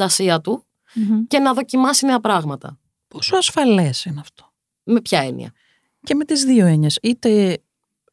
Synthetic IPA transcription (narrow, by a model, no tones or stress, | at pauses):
ɐsiɐt̪u | ce̞nɐðo̞cimɐsineɐpɾɐɣmɐt̪ɐ̰ | posuɐsfɐlesinɐft̪o̥ | me̞pçɐe̞nḭɐ̰ | ceme̞t̪izðio̞e̞ɲesit̪e̞